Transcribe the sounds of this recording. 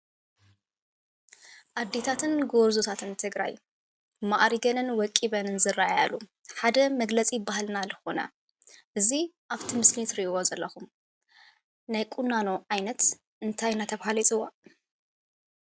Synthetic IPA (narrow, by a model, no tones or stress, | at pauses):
ʔad̪ːet̪ʰat̪ʰɨnɡoɾzut̪ʰat̪ʰɨnt̪ʰɨɡɾa̰j | maʔɾiɡɐnɨnwɔkʼːiβɐnɨnzɨraaja̰lːu | ħad̪ɐmɐɡlɐt͡sʼibahlnalɨxo̞nɐ̰ | ʔɨziʔaβt̪ʰimɨslit̪ɾiwozɐlːɐxum | najkʼunːano̞ʕajnɐt̪ | ʔɨnt̪ʰajnat̪ʰɐβhalit͡sʼɨwːa